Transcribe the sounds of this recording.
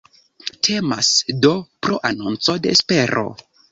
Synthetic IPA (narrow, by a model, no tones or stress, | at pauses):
tʰe̞masdo̞pɾoʔanont͡so̞de̞ːspe̞ɾʔo̞̰